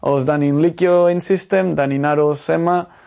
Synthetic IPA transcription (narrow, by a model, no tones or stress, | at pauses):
ozd̪aninlikoinsist̪emd̪aninaɾosema